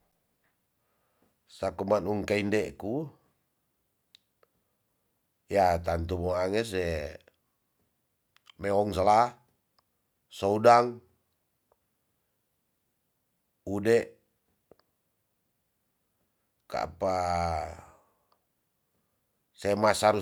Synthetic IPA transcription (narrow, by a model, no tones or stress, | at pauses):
sakumanuŋkaindɛʔku | jat̪ant̪umoaŋɛs̬ɛ | meɔŋs̬alah | soudaŋ | udɛʔ | ka̰pa | semasaɾu